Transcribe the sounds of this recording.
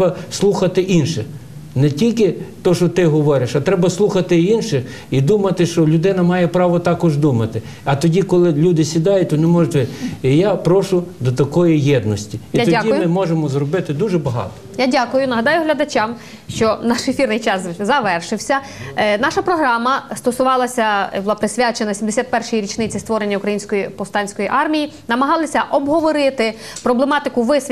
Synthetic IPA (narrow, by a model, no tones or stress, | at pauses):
ɐslˠuxɐt̪ɪʔinʃɛ | nɛtʲilʲkɪt̪ɔʃɔt̪ɪɦɔʋɔɾʲɪʃɐt̪ɾɛbɐslˠuxɐt̪ɪinʃɪx | id̪umɐt̪ɪʃt͡ʃɔlʲʊd̪ɪnɐmɑjɛpɾɑʋɔt̪ɑkɔʒd̪umɐt̪ɪ | ɐt̪ɔdʲikɔlˠɪlʲud̪ɪsʲid̪ɑjʊt̚ʲɔnɛmɔʒʊtʲʋɪijapɾɔʃʊd̪ɔt̪ɐkɔjijɛd̪nɔsʲtʲiiimɪmɔʒemɔzrɔbɪt̪ɪd̪uʒɛbɐɦɑ̰t̪ɔ̥jadʲakʊjʊnɐɦɐd̪ɑjʊɦlʲɐd̪ɐt͡ʃʲam | ʃt͡ʃɔnɑʃefʲirnɪjt͡ʃɑszɐʋɛrʃɪwsʲɐ | nɑʃɐpɾɔɦɾɑmɐst̪ɔsʊʋɑlˠɐsʲɐbʊlˠɑpɾɪsʲʋʲjat͡ʃenɐsʲimd̪esʲat̪̚pɛrʃɔjiɾʲit͡ʃnɪt͡sʲɪst̪ʋɔɾenʲːɐukɾɐjinʲsʲkɔjipɔwst̪ɑnʲsʲkɔjiʔɑrmʲijinɐmɐɦɑlˠɐsʲɐʔɔbɦɔʋɔɾɪt̪ɪ | pɾɔblˠemɑt̪ɪkʊʋɪsʲ